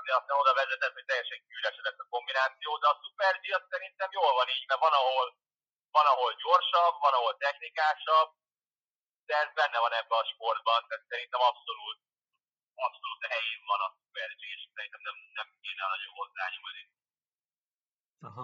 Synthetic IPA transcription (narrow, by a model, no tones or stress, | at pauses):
d̪ɛɒst̪aːno̞d̪ɒvɛzɛt̪ɛt̪hoc̚t̪ɛjːɛʃɛŋkyːlɛʃɛlɛsːɒko̞mbinaːt̪sijoːd̪ɛɒsupɛrd͡ʒiɒssɛɾint̪ɛmjoːlvɒniːɟmɛvɒnɒɦo̞l | vɒnɒɦo̞lɟo̞rʃɒbvɒnɒɦo̞lt̪ɛxnikaːʃɒb̚ | d̪̥ɛbɛnːɛvɒnɛbːɛɒʃpo̞rd̪̚bɒnt̪aːt̪sɛɾint̪ɛmɒpso̞luːt̪̚ | ɒpso̞luːt̪ɦɛjeːɱvɒnɒsu̥pɛrd͡ʒieʃksɛɾint̪ɛmnɛmnɛmkeːnɛɒnɒɟo̞̰nɦo̞zːa̰ːɲomni | ɦ